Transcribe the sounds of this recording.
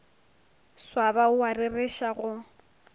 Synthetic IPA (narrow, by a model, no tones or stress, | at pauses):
swabaʊwarɪrɪʃaɣʊ